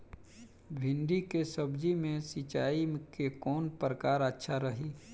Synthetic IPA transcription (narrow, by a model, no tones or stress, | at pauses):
bʱɪ̃nɖikesəbd͡ʒimẽsit͡ʃaːikekɔːnpɾəkaːɾətːʃʰaɾəɦiː